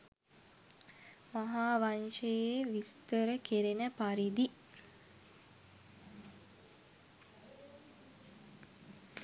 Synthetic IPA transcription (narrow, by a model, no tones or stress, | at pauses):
maɦaːʋaɲʃejeʋist̪əɾəkeɾenəpaɾid̪i